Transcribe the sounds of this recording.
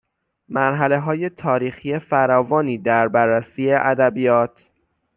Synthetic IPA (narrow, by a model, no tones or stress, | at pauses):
mæɾɦæle̞ɦɒːje̞t̪ʰɒːɾiːxiːje̞fæɾɒːvɒːniːd̪æɾbæɾːæsiːeʔæd̪æbijɒːt̪ʰ